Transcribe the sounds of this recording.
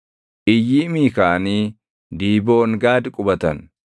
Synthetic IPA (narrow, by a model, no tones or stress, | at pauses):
ʔɪjːiːmiːkaːniː | d̪iːboːŋɡaːd̪ɪkʼʊbɐt̪ɐn